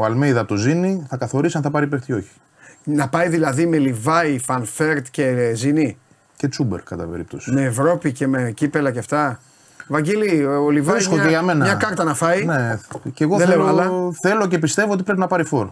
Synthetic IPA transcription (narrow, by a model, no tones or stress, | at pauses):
oɐlmejðɐpot̪oziniθɐkɐθo̞ɾisiɐnθɐpɐɾipekt̪io̞çi̥ | nɐpɐjðilɐðime̞livɐifɐnfe̞ɾt̪ce̞zini | ce̞t͡sube̞̰ɾkɐt̪ɐ̰pe̞̰ɾḭp̚t̪osimme̞ːvɾo̞pice̞mecipe̞lɐceɐft̪ɐ | vɐɲɟeliolivɐiskokeʝɐme̞nɐmɲɐkɐɾt̪ɐnɐfɐineceɣoðeleoɐlɐθe̞lo̞ce̞pist̪e̞vo̞ot̪ipɾe̞pinɐpɐɾifo̞ɾ